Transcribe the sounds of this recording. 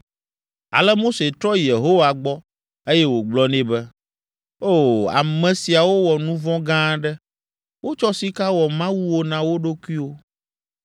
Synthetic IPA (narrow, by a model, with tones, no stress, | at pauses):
a̰˨lɛ˦mo˦se˨t̪ɾɔ˦je˨ɦo˦wa˨ɡ͡bɔ˦ | e˦jɛ˦wo˨ɡ͡blɔ˦nẽ˦bɛ˦ | o˦˨a̰˨mɛ̃˨si˨a˨wo˦wɔ˨nũ˦vɔ̃˦ɡã˦ɖɛ˦ | wo˦t͡ʃɔ˦si˦ka˦wɔ˨mã˦wu˦wo˦nã˨wo˦ɖo˦kʷi˦wo˦